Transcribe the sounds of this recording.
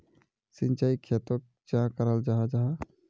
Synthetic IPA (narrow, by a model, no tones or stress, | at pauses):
sɪ̃nt͡ʃaikʰːeːt̪ək̚t͡ʃãkəɾəld͡ʒaːɦad͡ʒaːɦa